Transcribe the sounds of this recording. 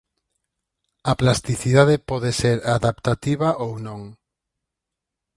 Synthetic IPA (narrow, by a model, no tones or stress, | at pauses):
aplast̪iθiðaðepɔðeseɾaðapt̪at̪iβaʔownõŋ